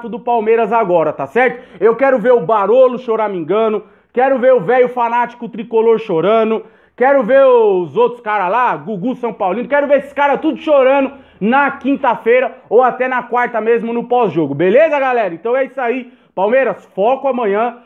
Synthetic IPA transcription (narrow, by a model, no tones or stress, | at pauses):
t̪ʊd̪ʊpawmeɾɐzaɡɔɾɐt̪asɛɾt̪ʊewkɛɾʊveɾʊbaɾolʊʃoɾamĩŋɡɐ̃nʊ | kɛɾʊveɾʊvɛjʊfanat͡ʃi̥kʊt̪ɾikoloɾʃoɾɐ̃nd̪ʊ | kɛɾʊveɾzowt̪ɾʊ̥skaɾɐlaɡuɡusɐ̃w̃pawlĩnʊkɛɾʊveɾesɪ̥kaɾɐt̪ud̪ʊʃoɾɐ̃nʊ | nɐkĩnt̪ɐfejɾɐowat̪ɛnɐkwaɾt̪ɐmezmʊnʊpɔzʒoɡʊbelezɐɡalɛɾɐẽnt̪ɐ̃w̃ɛisʊai | pawmejɾɐsfɔkʊamɐ̃ɲɐ̃